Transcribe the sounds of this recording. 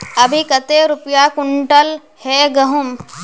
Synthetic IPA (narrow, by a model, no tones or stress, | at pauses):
ɐbʱikɐt̪eɾʊpjakʊɳʈəl | heːɡɐɦʊm